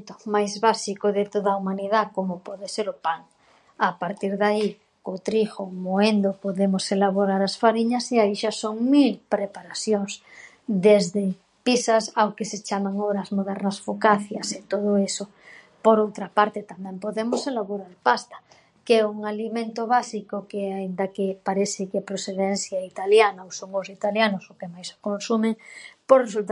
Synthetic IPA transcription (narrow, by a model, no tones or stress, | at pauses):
t̪ʊmajzβasikoðet̪oðaumaniðakomopɔðeseɾʊpaŋ | apaɾt̪iɾðai | kot̪ɾixomoend̪opoðemoselaβoɾaɾasfaɾiɲaseaiʃasoŋmilpɾepaɾaθjoŋs | d̪ezðe | pisasawkeset͡ʃamaŋoβɾazmoðɛɾnasfukaθjaset̪oð̞oeso | poɾowt̪ɾapaɾt̪et̪amɛmpoðemoselaβoɾaɾpast̪ḁ | kɛuŋalimẽnt̪oβasikokeaind̪akepaɾeθɪkepɾoθeðen̟θjait̪aljanaowsoŋosit̪aljanosokemajso̥konsumeŋpoɾresult̪